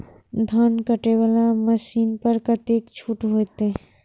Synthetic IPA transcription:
d̪ʱənkəʈeʋalaməʃiːnpəɾkət̪eːkt͡ʃʰuːʈɦoːt̪e

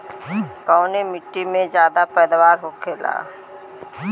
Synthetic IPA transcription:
kɔːnemɪʈːimẽd͡ʒjaːd̪apɛːd̪waːɾɦoːkʰeːla̰ː

